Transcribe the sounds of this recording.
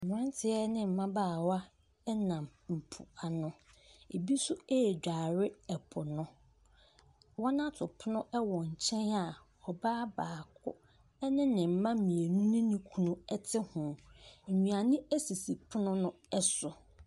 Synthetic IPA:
m˨ɪ̃˦n˦tʰɪ˦ɛ˦nɪ̃˦m̩˨mã˦baː˦˨wa˦ | nã˨mm̩˨pʰʊ̰˨a˨nʊ̃˨ | e˨bi˦sʊ˦e˦˨d͡ʑᶣaː˨ɾɪ˦ɛ˨pʰʊ˨nʊ̃˦ | wɔ˦nã˦tʰʊ˨pʰʊ˦nʊ̃˦ʔɛ˦wɔ˨ɲ̩˨t͡ɕʰɛ̃˦na˨ | ɔ˨baː˦baː˨kʰʊ̰˦ | ɛ˦nɪ̃˦nɪ̃˨m̩˨mã˦mĩ˨e˨nũ˦nĩ˦nĩ˦kʰu˨nʊ̃˦ɛ˦tʰɪ˦hʊ̃˨m̩˨ɲĩ˨a˨nĩ˦æ˦si˨si˨pʰʊ˦nʊ̃˦nʊ̃˦ | ɛ˦sʊ˨

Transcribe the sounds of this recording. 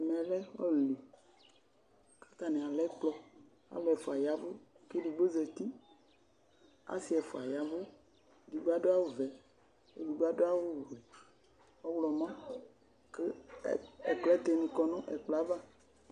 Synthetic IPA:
mɛ̃˨lɛ˦ɔ̰˦˨li˨ | ke̥˦t̪a˨nɛ̃˨a˨lɛ˦k͡plɔ˦ | a̰˦lɔ˨ɛ˨fo˨a˨ja˨vo˦ | ke˦ɖi˨bo˦zɛ˨t̪i˦ | a̰˦si˦ɛ˨fo˨a˨ja˨vo˦ | ɖi˨ɡ͡ba˦ɖo˦a˦wo˦vɛ˨ | e˦di˨ɡ͡ba˦do˦a˦wo˦˨vɛ˨ | ɔ˦wlɔ˨mã˦ | ke˦˨ | ɛ˨k͡plɔ˦t̪e˨nĩ˨kɔ˨nɔ̃˦ʔɛ˨k͡plɔ˨a˦va˦

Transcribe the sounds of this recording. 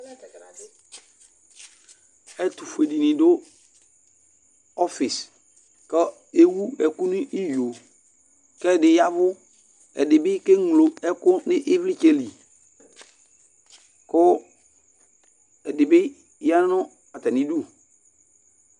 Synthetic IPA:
ɛ˦tu˨fe˨di˨nɪ̃˨dʊ˦ | ɔ˦fɪ˨s | kə˦ | e˦wu˦ɛ˨ku˦nɪ˦ʔi˦jo˨ | kɛ˦˨dɪ˨ja˦vʊ˦ | ɛ̰˨dɪ˨bɪ˦ke˦ŋ˨lo˨ɛ˦kʊ˦nɪ˦ʔɪ˦vlɪ˦t͡ʃe˦li˨ | kʊ˦ | ɛ˨dɪ˨bɪ˦ | ja˦nʊ̃˦ | a˨tɛ˨nĩ˦du˦˨

